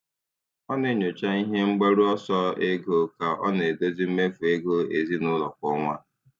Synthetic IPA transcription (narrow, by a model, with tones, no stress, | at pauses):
ɔ˦ne˨ɲʊ˨t͡ʃa˦i˦ɦe˦ŋ͡m̩˦ɡ͡ba˦ɾu˦ɔ˦sɔ˦e˦ɡo˦ka˨ʔɔ̰˦ne˨do˦zi˦m̩˦me˦fu˨e˦ɡo˦e˨zi˦nʊ˦lɔ˨kʷɔ˦ŋʷa˦